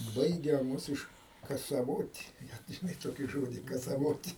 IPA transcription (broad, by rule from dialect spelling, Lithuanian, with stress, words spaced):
ˈbɐɪɡʲɛ ˈmʊs ɪʃ kɐsɐˈʋoːtʲ ʒʲɪˈnɐɪ ˈtoːkʲiː ˈʒoːdʲiː kɐsɐˈʋoːtʲ